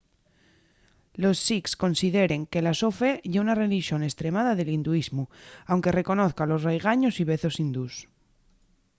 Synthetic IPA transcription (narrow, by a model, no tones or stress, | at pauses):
lo̞sːiksko̞nsiðeɾe̞ŋke̞lasofeʝeunareliʃjo̞ne̞st̪ɾe̞maðaðelind̪uizmuawŋke̞re̞ko̞noθkalo̞srejɣ̞aɲo̞siβ̞e̞θo̞sind̪us